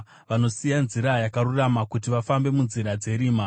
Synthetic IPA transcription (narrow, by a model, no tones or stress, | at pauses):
ʋano̞sijanziɾajakaruramakutiʋafambe̞munziɾad͡ze̞ɾiːma